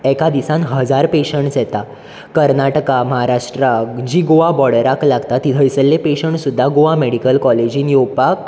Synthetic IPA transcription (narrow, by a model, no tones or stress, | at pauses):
ɛkad̪isãnɦəd͡zaɾpeɕəɳʈt͡sjɛt̪a | kəɾnaʈəkaməɦaɾaʂʈɾad͡ʑiɡoʋabɔɽəɾaklaɡt̪at̪ːit̪ʰəjsəlːẽpeɕəɳsud̪ʱːaɡoʋameɽikəlkɔled͡ʑiːnjopak